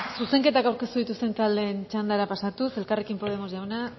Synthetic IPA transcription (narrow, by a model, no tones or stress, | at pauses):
suse̞ŋke̞t̪akawɾke̞st̪uðit̪ust̪e̞nt̪ald̪e̞ːnt͡ʃand̪aɾapasat̪use̞lkare̞kimpo̞ð̞e̞mo̞zʝawna